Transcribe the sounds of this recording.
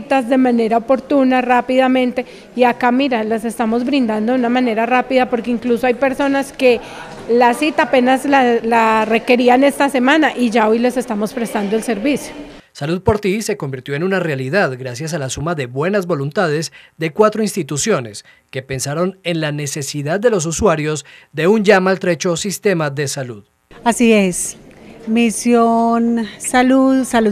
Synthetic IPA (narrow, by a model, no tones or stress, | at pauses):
t̪azd̪e̞mane̞ɾaopo̞ɾt̪unarapiðamẽ̞nt̪e̞ | iakamiɾalase̞st̪amo̞zbɾĩnd̪and̪o̞unamãne̞ɾarapiðapo̞ɾkeiŋkluso̞ajpe̞ɾso̞naske̞ | lasit̪ape̞naslalare̞ke̞ɾiane̞st̪ase̞mãnaʔiʝao̞jle̞se̞st̪amo̞spɾest̪and̪oelse̞ɾbisjo | saluð̚po̞ɾt̪ise̞ko̞mbiɾt̪jo̞enunarealiðaðɡɾasjas̬alasumaðe̞βwe̞nazbo̞lunt̪að̞e̞zd̪e̞kwat̪ɾo̞inst̪it̪usjo̞ne̞s | ke̞pe̞nsaɾo̞ne̞nlane̞se̞siðað̚ːe̞lo̞s̬uswaɾjo̞zd̪e̞und͡ʒamaːlt̪ɾe̞t͡ʃo̞sist̪e̞maðe̞saluð | asiesmisjonsaluðsalu